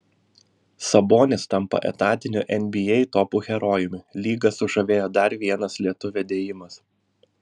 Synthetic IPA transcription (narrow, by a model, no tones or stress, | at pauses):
sɐboːnʲɪst̪ɐmpɐ̰ʔɛ̰t̪ɑːt̪ʲɪnʲṵːʔɛnʲbʲɪjɛɪt̪ɔːpuːɣʲɛɾɔːjʊmʲɪlʲiːɡɐsʊʒɐʋʲeːjoːd̪ɐɾʋʲiɛnɐslʲiɛt̪ʊʋʲɛd̪ʲeːjɪmɐs